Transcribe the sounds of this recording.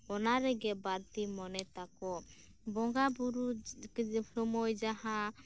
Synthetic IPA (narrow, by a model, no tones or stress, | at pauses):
ɔnaɾɛɡɛbaɾt̪imɔnɛt̪akɔ | bɔŋɡabuɾukpʰɾɔmɔjd͡ʒaɦã